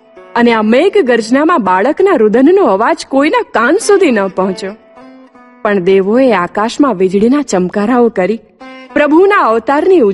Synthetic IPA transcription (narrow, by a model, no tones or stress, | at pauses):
əneameɡɡəɾd͡ʒnamãbaɭəknaɾʊd̪ənnoəʋad͡ʒkoinakãnsud̪ʱinəpəɦʊ̃t͡ʃo | pəɳd̪eʋoeakaʃmãʋɪd͡ʒɽinat͡ʃəmkaɾaokəɾi | pɾəbʱunaəʋt̪aɾniu